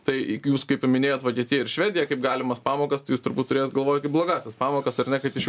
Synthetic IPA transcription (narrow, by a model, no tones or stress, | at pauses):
t̪ɐɪjuːskɐɪpmʲɪnʲeːjoːt̪ʋokʲiɛt̪ʲɪːjɛɪɾʃʲʋʲæːd̪ʲɪjɛkɐɪpɡɑːlʲɪmɐspɑːmoːkɐst̪ɐɪjuːst̪ʊɾbuːt̪t̪ʊɾʲeːjoːt̪ɡɐlˠʋoːjtkɐɪpblˠoːɡɑːsʲɛspɑːmoːkɐsɐɾnʲɛkɐt̪ɪʃ